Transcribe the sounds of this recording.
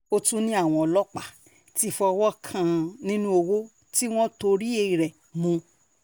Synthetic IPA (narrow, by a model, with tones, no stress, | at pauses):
o˦tũ˦nĩ˦a˦˨w̃ɔ̃˧ɔ˧lɔ˦k͡pa˦˨ | ti˦˨fɔ˧wɔ˦kʰã˦˧nĩ˦nũ˦o˧wo˦ | ti˦w̃ɔ̃˦to˧ɾi˦e˧i˨ɾɛ˨ | mũ˧